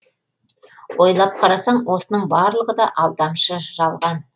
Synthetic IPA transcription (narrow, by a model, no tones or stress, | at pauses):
wo̞jlˠɑp̚qʰɑɾɑsɑɴwo̞sənəɴbɑɾlˠəʁəd̪ɑʔɑlˠd̪ɑmʃəʒ̥ɑlˠʁɑn